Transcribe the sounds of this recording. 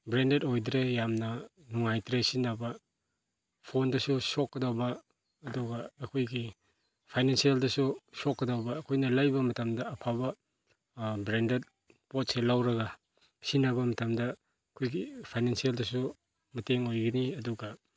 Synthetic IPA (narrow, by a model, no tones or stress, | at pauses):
bɾendetojdɾejamnɐ | nuŋajtɾesinːabɐ | pʰondɐsusokːɐdawbɐː | duɡɐːkʰojɡi | pʰajnensieldɐsusokːɐdawbɐːkʰojnɐlajbɐmɐtamdɐɐpʰaβɐ | bɾendet̚ | pot̚selawɾɐɡɐ | sinabɐmɐtamdɐ | kʰojɡipʰajnensieldɐsu | mɐteŋojɡɐniɐduɡɐ